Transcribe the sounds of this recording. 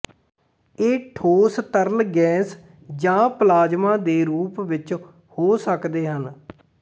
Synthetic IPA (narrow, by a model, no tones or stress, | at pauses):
eːʈʰoːst̪əɾlɡɛ̃ːs | d͡ʒãːplaːd͡ʒmãːd̪eːɾuːpʋɪt͡ʃ | hoːsəkd̪eːɦən